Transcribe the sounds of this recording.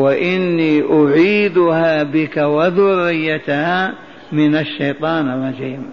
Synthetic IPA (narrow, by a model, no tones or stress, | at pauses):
waʔɪnːiːʔʊʕiːd̪ʊhaːbɪkawaðʊrːɪjːat̪ahaː | mɪnaʃːajt̪ˤɑːnalːaziːm